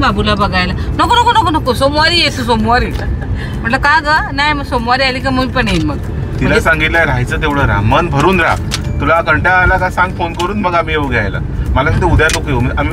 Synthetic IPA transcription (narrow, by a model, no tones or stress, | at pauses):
babʱulabəɡʱajlanəkonəkonəkonəkosomʋaɾijet̪usomʋaɾi | m̤ə̃ɳʈləkaɡənajməɡsomʋaɾialikaməmipəɳeinməɡ | t̪ilasãŋɡit̪lajɾajt͡sət̪eʋɽəɾa̰mənbʱəɾuːnɾa̰t̪ulakəɳʈaːlakasãŋɡfonkəɾuːnməɡamiːeuɡʱjajla̰məlasat̪eud̪janokemiami